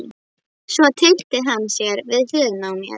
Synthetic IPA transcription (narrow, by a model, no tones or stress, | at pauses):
svɔt̪ʰel̥t̪ɪɦanːsjɛɾvɪðhʏːnawmjɛ̰